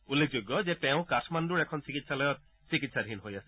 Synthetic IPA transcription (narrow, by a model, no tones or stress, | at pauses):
ulːek̚ʰd͡ʑoɡːɔzetɛʊ̃katʰmanduɹɛkʰɔnsikit̪salɔjɔt̪̚ | sikit̪sadʱinɦojasɛ̥